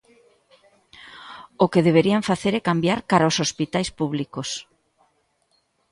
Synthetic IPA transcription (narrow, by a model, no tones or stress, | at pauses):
ʊkeðeβ̞eɾiaɱfaθeɾɛkambjaɾkaɾaosospit̪ajspuβlikos